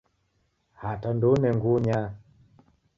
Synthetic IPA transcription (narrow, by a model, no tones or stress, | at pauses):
hatandonɛŋɡuɲa